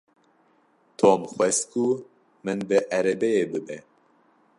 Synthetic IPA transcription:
t̪ʰoːmxʷwɛskʰu | mɨnbɨʔɛɾɛbɛjeːbɨbɛ

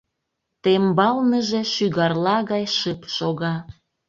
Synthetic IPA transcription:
t̪embɑlnəʒe̽ʃyɣɑrlɑɣɑjʃəpʃoɣɑ

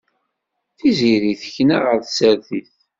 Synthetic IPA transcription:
θiziɾiθçnæʁəɾðsəɾθiθ

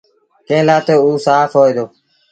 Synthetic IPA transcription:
kẽːlaːt̪eːuːsaːfɦoːeːd̪oː

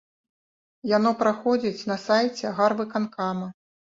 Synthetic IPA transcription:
jan̪ɔpɾaxɔd͡zʲit͡sʲnɐsajt͡sʲɛɣarvɨkankamɐ

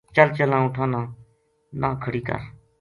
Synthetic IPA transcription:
t͡ʃəlt͡ʃəlãːʊʈʰãːnãː | nãːkʰəɽiːkə̰ɾ

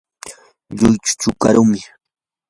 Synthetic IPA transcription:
ʎʊjt͡ʃʊ̥t͡ʃʊkaɾʊmɪ

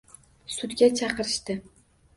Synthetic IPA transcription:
sʊd̪ɡʲat͡ʃʰɑqɨɾɪʃt̪ɪ

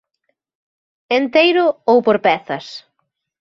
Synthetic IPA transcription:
ent̪ejɾʊowpoɾpɛθɐs

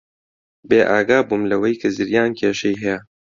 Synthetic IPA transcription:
beːʔaːɡaːbumlɐwɐjkʰɐzɨɾjaːnkʰeːʃɐjɦɛjɛ

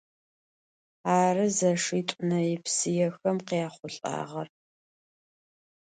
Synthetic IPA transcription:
aːrɨzɐʂiːtʷʼʊnɐjɪpsɨjɛxɐmqiaːχʷʊɬʼa̰ːʁɐr

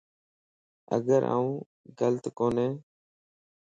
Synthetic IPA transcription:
ə̰ɡəɾʔa̰ːũː | ɡələt̪koːnẽː

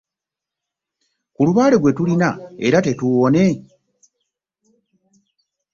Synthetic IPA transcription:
kuluβaːle̞ɡwe̞tulinaeɾate̞tuwo̞ne̞

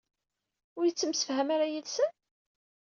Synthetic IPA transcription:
ʊɾjət͡sːəmsə̥fhæmaɾajəlsən

